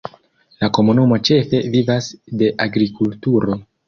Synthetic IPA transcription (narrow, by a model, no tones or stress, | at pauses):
lako̞munumo̞t͡ʃe̞fe̞vivasde̞ʔaɡɾikultuɾo̞